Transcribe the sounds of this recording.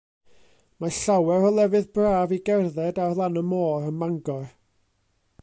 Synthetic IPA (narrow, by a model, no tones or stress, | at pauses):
maɬawɛɾɔlˠɛvɨðbraːviɡɛrðɛdarlˠanəmoːɾənmaŋɡɔr